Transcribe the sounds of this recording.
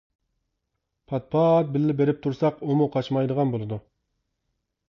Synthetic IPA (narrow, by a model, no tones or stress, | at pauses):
pʰɑt̪̚pʰɑt̪̚bɪlːɪbeɾɪp̚t̪ʰuɾsɑqomuqʰɑt͡ʃmɑjd̪əʁɑnbolˠɨd̪u